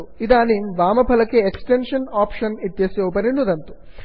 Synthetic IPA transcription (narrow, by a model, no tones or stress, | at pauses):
uid̪aːnimʋaːmɐpʰɐlɐkːeːksʈenʂɐnaːpʂɐnit̪jɐsjoːpɐninːud̪ɐnt̪u̥